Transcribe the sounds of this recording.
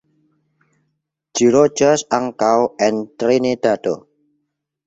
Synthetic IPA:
d͡ʒ̥iɾo̥d͡ʒarsaŋkawʔɛnt̪ɾined̪̥a̤d̪o̰

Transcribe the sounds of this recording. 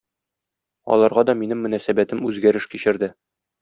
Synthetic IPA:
ɒ̰lˠɑɾʁɑd̪ɒminɘmːɵ̆næsæbæt̪ɘmʉzɡæɾɘʃkiɕɘ̆ɾd̪ɘ

